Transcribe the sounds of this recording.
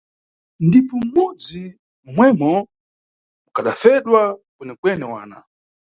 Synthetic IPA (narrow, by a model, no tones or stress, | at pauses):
ndipɔmud͡zi | mwɛmɔ | mukaɗafɛɗwakɛnɛkwɛnɛwaːna̰